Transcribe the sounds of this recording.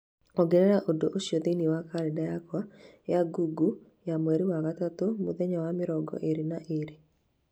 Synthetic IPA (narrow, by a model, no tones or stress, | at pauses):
ɔɡeɾɛɾaʔodoʔoʃjoðeniwakaɾɛdajakwajaɡuɡu | jamwɛɾiwaɣatat̪omoðɛɲɔwamɪɾɔɡɔ̰ʔeɾinaʔeɾi